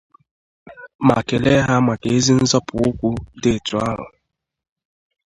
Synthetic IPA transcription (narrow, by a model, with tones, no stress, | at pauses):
ma˨ke˨le˦ɦa˦ma˨ke˨e˦zi˦n̩˦zɔ˦pʊ˨ʊ˦kʷu˦de˦˨tu˨˦a˦ɾʊ̰˨